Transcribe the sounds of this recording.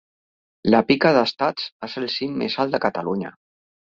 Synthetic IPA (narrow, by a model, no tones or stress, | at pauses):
ləpikaðəst̪at͡saselˠsiŋmːḛzalt̪d̪əkət̪əluɲə̰